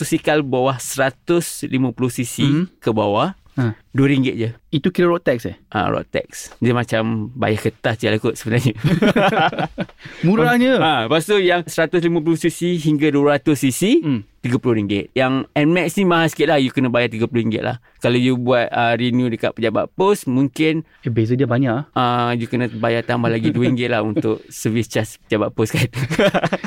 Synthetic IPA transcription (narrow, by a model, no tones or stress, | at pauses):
t̪usikalbawahsəɾat̪ʊslimə̃pulʊhsisikəbawah | duəɾiŋɡɪt̪̚d͡ʒəit̪ukiɾəɾɔt̪ɛksəʔa̰ɹɔ̰ʔt̪ɛ̰ksd͡ʒəmat͡ʃamba̰jahkət̪at̪ialakʊt̪səbənaɲə | muɾahɲəãpast̪ujaŋsəɾat̪ʊs̬limə̃p̬ulʊhsisiɦiŋɡaduəɾat̪ʊsːisit̪iɡapulʊhɾiŋɡɪt̪̚jaŋɛnmɛksnimaɦasə̥kit̪lahjukənə̃bajat̪iɡapluhiŋɡɪ̰ʔ̪̚lʔa̰h | kalojubuat̪̚ərinjudəka̰ʔpəd͡ʒaba̰ʔposmuŋkɪn | ebezədiabaɲaʔʔajukənə̃bajat̪ambahlaɡiduəiŋɡɪʔ̪̚lahunt̪ʊk̚səvist͡ʃɛspəd͡ʒabaʔposkait̪